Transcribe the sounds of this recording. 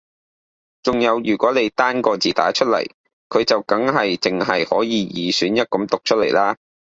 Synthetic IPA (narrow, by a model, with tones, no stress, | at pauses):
t͡sʊ˨ŋjɐ˨˧wjyː˨˩kʷɔː˨˥le˨˧jt̪aː˥nkɔː˧t͡siː˨˩t̪a̰ː˨˥t͡ʃʰɵ˥t̚lɐ̰˨˩j | kʰɵ˨˧ɥt͡sɐ˨wkɐ˨˥ŋɦɐ˨jt͡sɪ˨ŋɦɐ˨jhɔ̰ː˨˥jiː˨˧jiː˨syː˨˥njɐ˥t̚kɐ˨˥mt̪ʊ˨k̚t͡ʃʰt̚le˨˩jlaː˥